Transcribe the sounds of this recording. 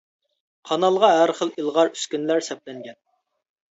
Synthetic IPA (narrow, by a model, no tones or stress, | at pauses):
qʰɑnɑlˠʁɑɦæɾχəlˠilˠʁɑɾyskʲynlæɾsɛp̚lɛŋɡʲɛn